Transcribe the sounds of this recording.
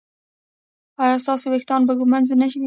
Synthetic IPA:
ɑjɑst̪ɑsowext̪ɑnbaɡumanzanaʃ̬i

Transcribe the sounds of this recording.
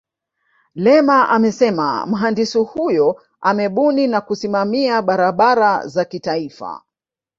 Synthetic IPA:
lɛmaʔamɛsɛma̰m̩ɦandisihujɔ | amɛɓuninakusimamiaɓaɾaɓaɾazakitaifa̰

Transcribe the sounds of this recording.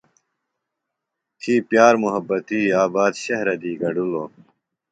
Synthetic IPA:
t̪ʰiːpjaːɾmuɦɐbːɐt̪iːaːbaːd̪ɕɐɦɾɐd̪iːɡɐɖuloː

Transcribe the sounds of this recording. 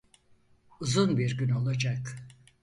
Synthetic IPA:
uzunbiɾɟyno̞lˠad͡ʒak

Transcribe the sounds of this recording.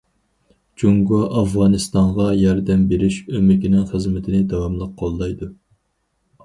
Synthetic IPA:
d͡ʒuŋɡɑʔɑfʁɑnɨst̪ɑɴʁɑjɑɾd̪ɛmbeɾɪʃømɪkʲinɪŋχəzmɪt̪ʰɪnɪd̪ɑwɑmlˠəq̚ʰːɑlˠːɑjd̪u

